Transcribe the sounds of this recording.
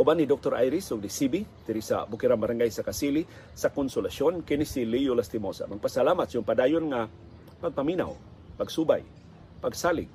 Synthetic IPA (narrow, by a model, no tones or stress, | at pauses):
ʔubanːid̪ok̚t̪oɾʔa̰jɾɪsoɡ̚nisibit̪ɪɾisa̰bʊkɪɾambaɾaŋɡajsakasili | sakonsʊlasjonkɪnisilijʊlast̪imosa̰maɡ̚pasalamat̪̚siʊŋpad̪aːjonŋa | paɡ̚pamina̰w | paɡsuba̰j | paɡsalɪ̰ɡ̚